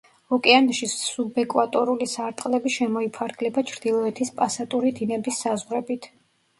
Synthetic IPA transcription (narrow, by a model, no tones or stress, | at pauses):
ɔkʼɛanʃiubɛkʼwat̪ʼɔɾulisaɾt̪ʼqʼlɛbiʃɛmɔipʰaɾɡlɛbat͡ʃʰɾd̪ilˠɔɛt̪ʰispʼasat̪ʼuɾid̪inɛbisːazʁɾɛbit̪ʰ